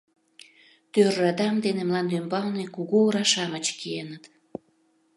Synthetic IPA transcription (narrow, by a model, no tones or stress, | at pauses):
t̪ørɑd̪ɑmd̪enemlɑnd̪ymbɑlnekuɣuoɾɑʃɑmət͡ɕkienət̪